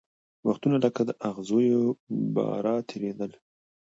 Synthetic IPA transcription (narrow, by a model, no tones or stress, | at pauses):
waxt̪unaləkad̪əʔaɣzojobɑ̰ɾɑt̪ʰeɾed̪əl